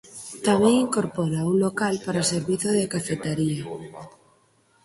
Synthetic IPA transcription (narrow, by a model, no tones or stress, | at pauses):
t̪amẽŋiŋkoɾpoɾaunlokalpaɾaseɾβiθoðekafet̪eɾia